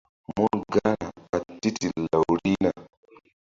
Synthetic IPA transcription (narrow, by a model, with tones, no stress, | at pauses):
mɔ˦ɡa˦na˨ka˨ti˦ti˨la˨u˨ɾi˦na˨